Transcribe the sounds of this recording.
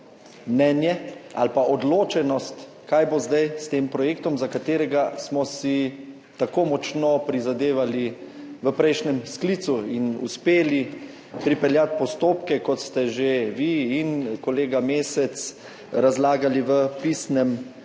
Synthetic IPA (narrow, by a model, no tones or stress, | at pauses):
mnɛːnjɛa̰lpaʔɔd̪loːt͡ʃɛnɔst̪ | kajbozd̪ajst̪eːmpɾɔjeːk̚t̪ɔmzakat̪eːɾɛɡasmɔsi | t̪akoːmɔt͡ʃnɔpɾizad̪eːʋali | ʋəpɾɛjʃnɛmskliːt̪suinṵspeːli | pɾipɛljat̪̚pɔst̪oːpkɛkɔt̪st̪ɛʒeʋiːnkɔleːɡameːsɛt̪s | ɾazlaːɡaliʋəpisnɛm